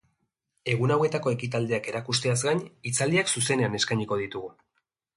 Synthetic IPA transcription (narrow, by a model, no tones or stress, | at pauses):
e̞ɣ̞unawe̞t̪ako̞e̞kit̪ald̪e̞ake̞ɾakust̪eazɡaɲit͡sald̪iaksuse̞ne̞ane̞skajɲiko̞ðit̪uɣu